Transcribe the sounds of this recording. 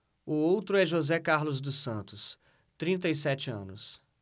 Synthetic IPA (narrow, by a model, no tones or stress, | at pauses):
ʊowt̪ɾʊɛʒozɛkaɾlʊzd̪ʊsɐ̃nt̪ʊs | t̪ɾĩnt̪ɐjsɛt͡ʃɪɐ̰̃nʊs